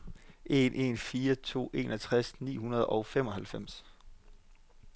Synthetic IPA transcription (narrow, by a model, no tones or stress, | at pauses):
ʔe̝nʔe̝nfiːɐt͡sʰo̝̰ːʔe̝ːnɒt͡sʰʁasnḭːɦunɐð̞ˠɒʊfem̰ɒ̽hælfem̰s